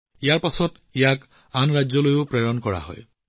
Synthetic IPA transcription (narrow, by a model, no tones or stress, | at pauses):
ijaɹpasɔt | ijak | anɹajzɔlojʊpɹeɹɔnkɔɹa̰ɦɔ̰j